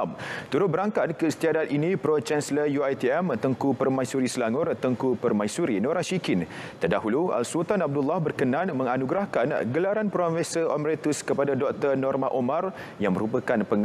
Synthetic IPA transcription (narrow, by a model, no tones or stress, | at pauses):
mt̪uɾʊt̪̚bəɾaŋkat̪̚kəsə̥t̪iadat̪inĩpɾot͡ʃɛnsələjuajt̪iɛmt̪əŋkupərmãjsuɾisəlaŋʊrt̪əŋkupərmãjsuɾinoɾahʃikint̪ərdaɦulua̰lsult̪anab̚dulːahbərkənãnmə̃ŋanuɡɾahkanɡəlaɾanpɾofɛsəʔomɾet̪uskəpadadɔk̚t̪ərnɔrmahʔomãr | jaŋməɾupəkanpəŋ